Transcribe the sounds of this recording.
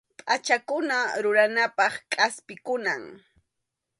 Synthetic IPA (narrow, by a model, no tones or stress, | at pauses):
pʼat͡ʃakʊnaɾʊɾanapɑχkʼaspɪkʊnaŋ